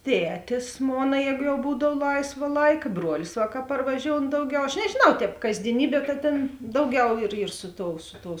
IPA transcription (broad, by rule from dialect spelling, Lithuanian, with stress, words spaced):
ˈtʲæːtʲɪs ˈmoːnɐ ˈjɛːɡʊ jɛʊ ˈbuːdɐw ˈlˠɐɪsʋɐ ˈlˠɐɪkɐ ˈbruɔlʲɪs ʋɐ kɐ pɐrʋɐˈʒʲoːʊn ˈdɐʊˌɡʲɛʊ ɐʃ nʲɛʒʲeːˈnɐʊ ˈtʲɛːp kɐzʲdʲiɛˈnʲiːbʲiɛ ˈtɐ tʲeːn ˈdɐʊˌɡʲɛʊ ɪr ɪr ˈsʊ ˌtoːʊ ˈsʊ ˌtoːʊ